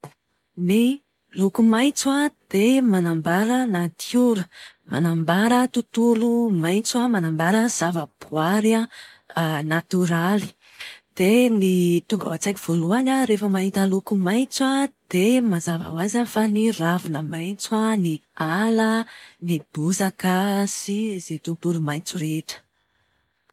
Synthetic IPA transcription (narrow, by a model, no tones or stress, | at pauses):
ni | lukumajt͡swad̪̥emanambaɾənat̪juɾə | ma̰nambaɾət̪ut̪ulumajt͡swamanambaɾəz̥avəb̥uaɾa | nat̪uɾali̥ | d̪̥enit̪uŋɡa̰wat͡sajkiv̥oluanəɾefəmaɦint̪alukumaj̃t͡swad̪̥emazava̰wazanifaniravunəmajnt͡swanialənib̥uzakəsizet̪ut̪ulumajnt͡suɾeʈ͡ʂə̥